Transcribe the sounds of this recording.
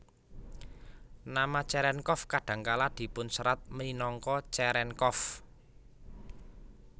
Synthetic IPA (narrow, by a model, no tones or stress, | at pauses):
namat͡ʃɛɾɛnkɔfkaɖ̥ä̤ŋkalad̪̥i̤pʊnsəɾat̪̚məlinɔŋkɔt͡ʃɛɾɛnkɔf